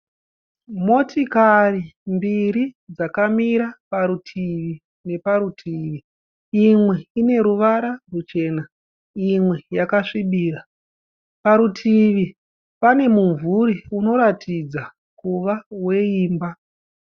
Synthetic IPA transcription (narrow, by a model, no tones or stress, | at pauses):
mo̞tikarimbiɾid͡zakamiɾapaɾutʰiʋi | ne̞paɾutʰiːʋi | imwe̞ine̞ɾuʋaɾarut͡ʃe̞ːna | imwe̞jakaʂiɓiːra | paɾutʰiʋi | pane̞muɱvuɾiuno̞ɾatʰid͡za | kuʋawe̞iːmba